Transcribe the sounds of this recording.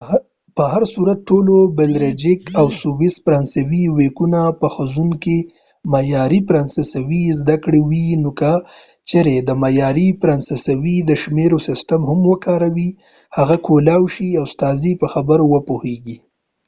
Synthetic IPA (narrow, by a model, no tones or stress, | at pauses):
pəhaɾsuɾat̪̚ʈːolobelɾed͡ʒɪkawsubispɾɑnsawiwekunapəxəzunke | majɑɾipɾɑnsɪsawizd̪akɽewinoka | t͡ʃeɾed̪əmajɑɾipɾɑnsɪsawid̪əʃmeɾosɪsʈamhʊmwəkɑɾawi | haɣakʰolawʃiawst̪ɑzipəxabəɾowəpoheɡi